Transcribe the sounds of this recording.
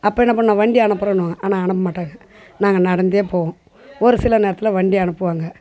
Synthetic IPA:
ɐpːɐːɛnːɐp̬ɐɳnãːʋɐɳɖiɐɳɯpːɯɾɐɳɯʋaːŋɡɐʔaːnaːɐɳɯp̬ːɐmaːʈːaːŋɡɐ | naːŋɡɐnɐɽɐnd̪jeːpoːʋʊ̃ | ɔɾɯsɪlɐneːɾɐt̪ːɪlɐʋɐɳɖiɐɳɯpːɯʋaːŋɡɐ

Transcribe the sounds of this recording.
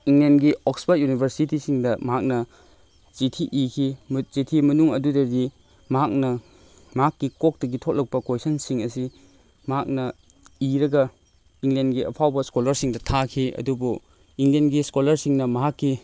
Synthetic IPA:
iŋlenɡiɔkspʰɐt̚junibʱɐɾsitisiŋdɐmɐɦak̚nɐ | t͡ʃitʰiʔikʰizitʰimɐnuŋɐdudɐdi | mɐɦak̚nɐ | mɐɦakːikok̚tɐɡitʰot̚lɐk̚pɐkojsɐnsiŋɐsi | mɐɦak̚nɐ | iɾɐɡɐ | iŋlenɡiɐ̰pʰawbɐskolɐɾsiŋdɐtʰakʰiɐ̰dubu | iŋlenɡiskolɐɾsiŋnɐmɐɦakːi

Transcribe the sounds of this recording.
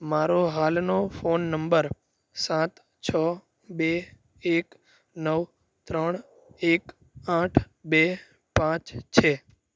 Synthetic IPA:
maɾoɦalnofonːəmbəɾ | sãt̪ | t͡ʃʰə | be | ek | nəʋ | t̪ɾəɳ̃ | ek | ãʈʰ | be | pãt͡ʃt͡ʃʰe

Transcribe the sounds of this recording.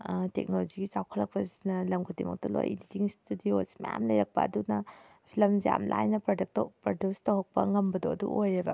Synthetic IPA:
tek̚nolod͡ʒiɡit͡ʃawkʰɐlːɐk̚pɐzinɐlɐmɡʰudimɐ̰k̚tɐlo̰jḭnditiŋstudiosmɐja̰mlɐjɾɐk̚pɐ̰ːdunɐ | pʰilɐmzia̰mlʔajnɐpɾodɐk̚tpɾodustɐwɦɐk̚pɐ̰ŋɐmbɐdoɐdṵʔojɾibɐ

